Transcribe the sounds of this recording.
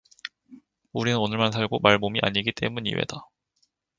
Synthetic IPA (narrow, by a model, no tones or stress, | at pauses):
uɾinɯnonɯɭmansʰaɭɡomaɭmomiʔa̰ɲiɡit͈e̞̰muɲḭwe̞̰da